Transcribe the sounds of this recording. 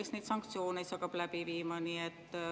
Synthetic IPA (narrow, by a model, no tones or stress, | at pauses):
esned̪sɑŋk̚t̪sio̞ːnejsɑkːˑɑb̥læbiviːmɑniet̪ː